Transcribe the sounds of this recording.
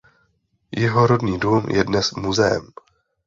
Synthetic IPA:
jɛɦoɾodɲiːduːmjɛdnɛsmuzɛɛ̰m

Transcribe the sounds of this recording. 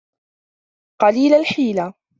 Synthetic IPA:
qɑliːlalħiːla

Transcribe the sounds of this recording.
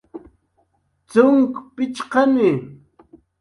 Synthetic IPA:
t͡sʊŋkpɪt͡ʃqɑnɪ

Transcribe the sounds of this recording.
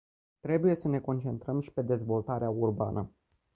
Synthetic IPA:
t̪ɾe̞buje̞səne̞ko̞nt͡ʃe̞nt̪ɾəmʃi̥pe̞d̪e̞zvo̞lt̪aɾeaurba̰nʔə

